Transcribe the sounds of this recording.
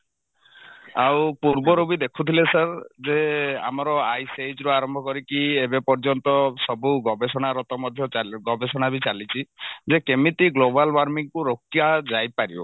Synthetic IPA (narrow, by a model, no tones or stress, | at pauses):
awpuɾbɔɾubid̪ekʰut̪ʰilesaɾd͡ʒea̰mɔɾɔajsejd͡ʒɾuaɾɔmbʱɔkɔɾikiebepɔɾd͡ʒɔnt̪ɔsɔbuɡɔbesɔɽ̃aɾɔt̪ɔmɔd̪ʱjɔɡɔbesɔɽ̃abit͡ʃalit͡ʃʰid͡ʒekemit̪iɡlobalwaɾmiŋkuɾok̚ːiad͡ʒajpaɾio̰